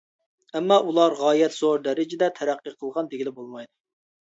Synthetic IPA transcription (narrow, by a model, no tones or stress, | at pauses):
ɛmːɑʔulˠɑɾʁɑːjɛt̪z̥oɾd̪ɛɾɪd͡ʒɪd̪ɛt̪ʰɛɾæqːɨqʰəlˠʁɑnd̪eɡʲilɪbolˠmɑjd̪u